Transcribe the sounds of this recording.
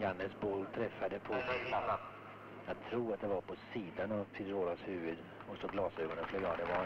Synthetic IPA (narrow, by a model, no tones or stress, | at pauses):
janːəsbɔlt̪ʰɾɛfːad̪əpʰɔ | jɑɡ̚t̪ʰɾuːɾat̪̚d̪ɛvaɾpʰɔsiːd̪anavpʰɪd̪ɾoːlashʉ̟ːvɵd̪ | ɔksɔɡlɑːsøːɡɔnənfløːɡaːd̪ɛvɑ